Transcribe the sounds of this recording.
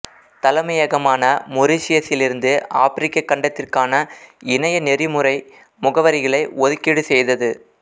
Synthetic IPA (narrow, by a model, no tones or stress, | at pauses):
t̪ɐlɐmɐjɐɣɐmaːnɐmʊɾɪsɪjɐsɪlɪɾɯnd̪ɯaːfɪɾɪkːɐkːɐɳɖɐt̪ːɪrkaːnɐɪnɐjɐnɛrɪmɯɾɐɪ | mʊɣɐʋɐɾɪɣɐɭɐɪɔðɯkːiɽɯsɛjðɐðɯ